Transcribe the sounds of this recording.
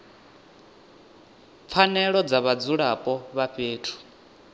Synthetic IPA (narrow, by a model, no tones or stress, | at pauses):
p̪fʰanɛɺɔd͡zaβad͡zuɺapʼɔβaɸeːtʰu̥